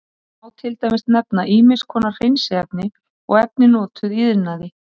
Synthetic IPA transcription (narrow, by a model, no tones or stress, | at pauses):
awt̪ʰɪlt̪ajmɪst̪nɛp̚naʔiːmɪ̥skʰɔːnaɾ̥r̥ejnsɪɛp̚nɪ | ɔ̰ɣɛp̚nɪnɔːt̪ʏðiːðnaðɪ